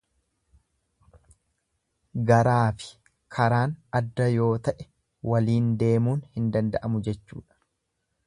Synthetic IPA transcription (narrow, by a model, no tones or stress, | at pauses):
ɡɐɾaːfɪ̥ | kʰɐɾaːnɐd̪ːɐjo̞ːt̪ɐʔɛ | wɐliːnd̪e̞ːmuːnhɪnd̪ɐnd̪ɐʔɐmʊd͡ʒɛt͡ʃːṵːᶑɐ̥